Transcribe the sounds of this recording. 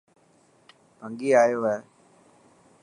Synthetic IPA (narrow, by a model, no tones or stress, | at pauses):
pəŋɡiːaːjoːɦɛː